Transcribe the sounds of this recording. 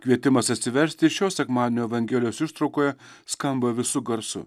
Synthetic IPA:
kʋʲiɛt̪ʲɪmɐsɐt̪ʲsʲɪʋʲɛɾʲsʲt̪ʲɪɪʃʲoːsʲɛkmɑːd̪ɪnʲoːɛʋɐŋʲɡʲeːlʲɪjoːsɪʃt̪ɾɒʊkoːjɛskɐmbɐʋʲɪsʊɡɐɾsʊ̰

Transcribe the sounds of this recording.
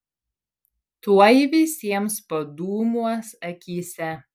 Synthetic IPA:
t̪uɔjiʋʲɪsʲiɛmspɐd̪uːmuɔsɐkʲiːsʲɛ

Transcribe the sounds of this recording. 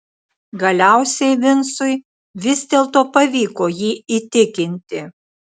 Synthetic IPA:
ɡɐlʲæˑʊsʲɛɪʋʲɪnsʊj | ʋʲɪzd̪ʲeːlˠt̪oːpɐʋʲiːkoːjiːiːt̪ʲɪkʲɪnʲt̪ʲɪ

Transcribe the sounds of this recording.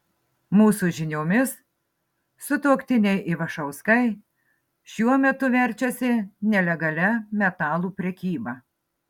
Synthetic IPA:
muːsuʒʲɪnʲoːmʲɪs | sʊt̪oːkt̪ʲɪnʲɛɪʔɪʋɐʃɐʊskɐɪ | ʃʲuɔmʲɛt̪ʊʋʲɛɾʲt͡ʃʲɛsʲɪnʲɛlʲɛɡɐlʲɛmʲɛt̪ɑːlˠuːpʲɾʲɛkʲiːbɐ

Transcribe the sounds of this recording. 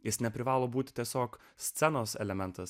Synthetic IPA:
jɪsnʲɛpʲɾʲɪʋɑːlˠoːbuːt̪ʲɪ̥t̪ʲiɛsʲoːk | sʲt̪ʲɛnoːsɛ̰lʲɛmʲɛnt̪ɐs

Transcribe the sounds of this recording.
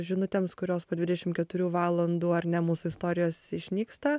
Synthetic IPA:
ʒʲɪnʊt̪ʲeːmskʊɾʲoːspoːd̪ʲʋʲɪdʲɛʃʲɪmkʲɛt̪ʊɾʲuːʋɑːlˠɐnd̪uːɐɾʲnʲɛmuːsʊɪst̪oːɾʲɪjoːsɪʃʲnʲiːkst̪ɐ

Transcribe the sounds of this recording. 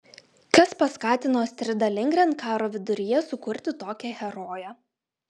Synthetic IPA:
kɐspɐskɑːt̪ʲɪnoːsʲt̪ʲɾʲɪd̪ɐlʲɪŋʲɡɾʲɛnkɑːɾoːʋʲɪd̪ʊɾʲɪjɛsʊkʊɾʲt̪ʲɪt̪oːkʲɛɣʲɛɾoːjɛ

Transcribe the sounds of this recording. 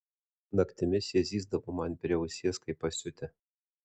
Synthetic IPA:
nɐkt̪ʲɪmʲɪsʲjiɛzʲiːzd̪ɐʋoːmɐnʲpʲɾʲɛʊsʲeːɛskɐɪpːɐsʲʊt̪ʲɪ

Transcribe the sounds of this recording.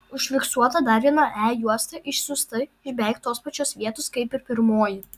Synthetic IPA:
ʊʃʲfʲɪksuɔt̪ɐd̪ɐɾʲʋʲiɛnɐʔæːjuɔsʲt̪ʲɐʔɪʃsʊst̪ɐɪʒbʲɛɪkt̪ːoːspɐt͡ʃʲoːsʋʲiɛt̪oskɐɪpɪɾpʲɪɾmoːjɪ

